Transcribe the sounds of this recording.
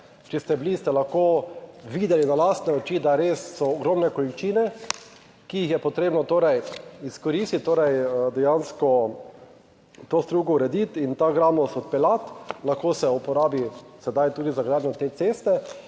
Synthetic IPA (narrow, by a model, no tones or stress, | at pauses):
t͡ʃɛst̪ɛbilist̪ɛlaxkoʋiːd̪ɛlinalaːst̪nɛɔt͡ʃid̪aɾeːsːɔːɡɾomnɛkɔlit͡ʃiːnɛ | kijixjɛpɔt̪ɾeːbnɔt̪oːɾɛjiskɔɾist̪it̪t̪ːoːɾɛjd̪ɛjanskɔ | t̪oːst̪ɾuːɡɔuɾɛd̪it̪int̪aɡɾaːmɔsɔt̪̚pɛlat̪laxkosɛupɔɾaːbisɛd̪ajt̪uːd̪izaɡɾaːd̪nʲjɔt̪eːt̪seːst̪ɛ